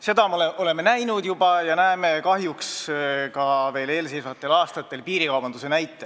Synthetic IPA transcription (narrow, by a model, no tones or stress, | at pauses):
se̞d̪̥ɑmoleʔo̞le̞mːe̞næjnud̪jubɑjɑnæːme̞kɑɦjukskɑve̞ːle̞ːlsejsvɑt̪ˑːe̞lɑːst̪ɑt̪ːˑe̞lpiːɾikɑwb̥ɑnd̪use̞næjt̪ːˑe